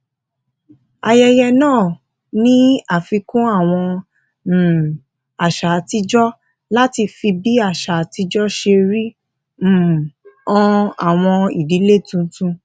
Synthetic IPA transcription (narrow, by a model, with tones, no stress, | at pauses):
a˧jɛ˧jɛ˧nãː˦˨ | nĩ˦a˦˨fi˧kũ˦a˦˨w̃ɔ̃˧˨ | a˨ʃa˨˦ti˦d͡ʒɔ˦ | la˦ti˧fi˧bi˦a˦˨ʃa˨˦ti˦d͡ʒɔ˦ʃe˧ɾi˦˨ | ɔ̃˧a˨w̃ɔ̃˧i˨di˨˦le˦˨tũ˧tũ˧